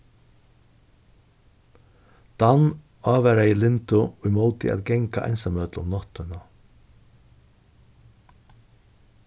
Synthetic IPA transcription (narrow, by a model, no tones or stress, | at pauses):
d̪̥an | ɑːvæɾajɪlɪnt̪ʊɔjmɔwt̪ɪ̰ʔa̰ːðɡɛŋka̰ʔɛ̰jnsamœːt̪lʊ̰mnɔht̪ʏna